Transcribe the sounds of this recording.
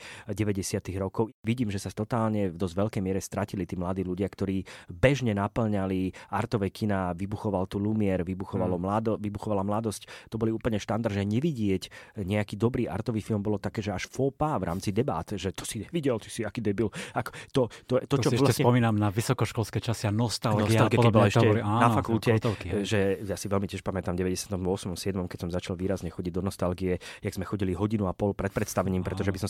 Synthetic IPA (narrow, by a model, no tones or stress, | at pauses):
ɟɛʋɛɟɛsɪat̪iɣɾɔkɔʊʋiɟiːmʒɛsat̪ɔt̪aːlɲɛvd̪ɔzʋɛʎkɛjmɪɛɾɛst̪ɾacilit̪iːmlad̪iːluɟɪakt̪ɔɾiːbɛʒɲɛnapl̩ɲaliʔaɾt̪ɔʋɛkʰinaʋibuxɔʋalt̪uːlumɪɛɾʋibuxɔʋalɔmlad̪ɔʋibuxɔʋalamlad̪ɔsct̪ɔbɔliuːpl̩ɲɛʃt̪and̪aɾʒɛɲɛʋiɟɪɛcɲɛakiːd̪ɔbɾiːʔa̰ɾt̪ɔʋiːfilmbɔlɔt̪akɛːʒɛaʃfɔpavɾa̰ːmt͡sid̪ɛba̰ːt̪ʒɛt̪ɔ̥siɲɛʋiɟɛlt̪i̥siakiːd̪ɛbilakɔ̥t̪ɔt̪ɔɛt̪ɔt͡ʃɔɔlaspɔmiːnamnaʋisɔkɔʃkɔlskɛjt͡ʃasianɔst̪alɔɡist̪alɡik̪ibɔlɛʃɛanafakulcɛʒɛjasiʋɛlmicɪɛʃpamɛt̪amɟɛʋɛɟɛsɪat̪ɔmɔsmɔmsɪɛd̪mɔmkɛcsɔmzat͡ʃalʋiːɾazɲɛxɔɟiɟ̚d̪ɔnɔst̪alɡiɛjaɡzmɛxɔɟiliɦɔɟinuapɔlpɾɛt̪̚pɾɛt̪st̪aʋɛɲiːmpɾɛt̪ɔʒɛbisɔm